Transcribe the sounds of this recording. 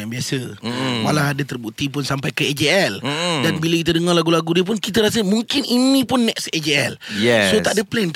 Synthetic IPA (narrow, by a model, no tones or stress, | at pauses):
abiasəmalaadət̪ərbuʔt̪ip̬ʊnsampajkəed͡ʒeɛldanbiləkit̪ədəŋɔrlaɡulaɡudiəp̬ʊnkit̪əɾas̬əmuŋkɪninĩpʊnːɛksed͡ʒeɛljɛsot̪aʔdəplɛn